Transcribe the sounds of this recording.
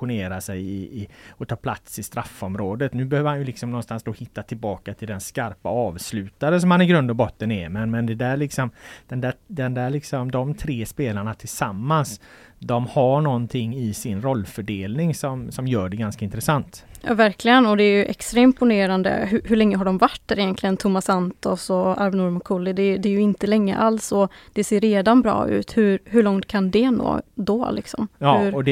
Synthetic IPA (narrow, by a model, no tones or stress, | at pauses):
ʊneːɾasɛjɪɪɔt̪ʰɑːpʰla̰t̪sɪst̪ɾafːɔmɾoːd̪ət̪nʉːbɛhøːvəɾhanjɵlɪksɔmnɔnst̪ansd̪oːhɪt̪ːat̪ʰɪlbɑːkat̪ʰɪld̪ɛnskaɾpa̰ɑːvslʉ̟ːt̪aɾəs̬ɔmhanɪɡɾɵnd̪ɔbɔt̪ːənɛmɛnmɛnd̪ɛd̪æɭɪksɔmd̪̥ɛnd̪æd̪ɛnd̪æɾɭɪksɔmd̪ɔmt̪ʰɾeːspeːlaɳat̪ʰɪlsamːans | d̪ɔmhaɳɔnt̪ʰɪŋːɪsɪnɾɔlːfœɖeːlnɪŋsɔmsɔmjœːɖɛɡanskaɪnt̪ɾɛsant̪jɑ̰ːvæɾklɪɡənɔd̪ɛæɾjɵʔɛkst̪ɾaɪmpʊneːɾand̪ə̰ɦɵɦɵɭɛŋːəɦaɖɔmvaʈːæɾɪjɛnt̪lɪɡənt̪ʰʊmːasant̪ɔsɔaɾvnʊɾmʊkʰʊlːɪd̪ɛːjd̪ɛːɾjɵɪnt̪əlɛŋːə̰ʔalsɔd̪̥ɛseːɾːeːd̪anbɾɑ̰ːʉ̟̰ːt̪hɵɾɦɵɭɔŋt̪̚kʰand̪ɛno̰ːd̪ɔlɪksɔ̰mɑhɵɾɔd̪ɛ